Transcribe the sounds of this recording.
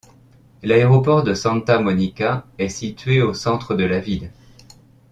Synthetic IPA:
laeʁɔpɔʁd̪əsɑ̃t̪amɔnikaɛsit̪ɥeosɑ̃t̪χəd̪əlavil

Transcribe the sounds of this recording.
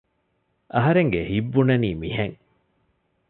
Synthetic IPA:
ʔɐɦɐɾeŋɡehibːunɐniːmiheŋ

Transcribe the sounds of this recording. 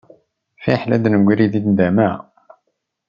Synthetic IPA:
fiħlæd̪nəɡʷiɾiðid̪nd̪æmæ

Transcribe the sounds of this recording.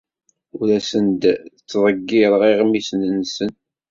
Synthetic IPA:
ʊɾæsənd̪t͡sːðˤəɡːɪɾˤʁiʁmisnənsən

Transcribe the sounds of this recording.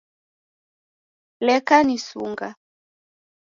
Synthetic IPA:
lɛkanisṵŋɡa

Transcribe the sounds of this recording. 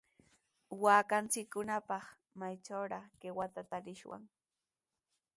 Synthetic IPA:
waːkant͡sɪkːʊnapɑχ | majʈ͡ʂawɾɑkewat̪at̪aɾɪʃwa̰ŋ

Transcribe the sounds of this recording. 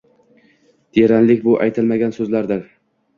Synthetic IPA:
d̪̥eɾanlɪkʲbʊʔajt̪ʰɪlmaɡʲansɵzlaɾd̪an

